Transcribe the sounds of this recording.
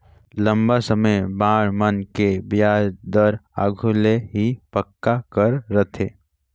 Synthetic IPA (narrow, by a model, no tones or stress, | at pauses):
lə̃mbasəməjbãːɽmənkebjaːɾd̪əɾa̰ːɡʱuleɦipəkːakəɾːət̪ʰeː